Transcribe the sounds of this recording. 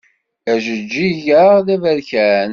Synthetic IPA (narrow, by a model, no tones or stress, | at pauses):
æʒəd͡ʒːiʝəʁðævæɾçæn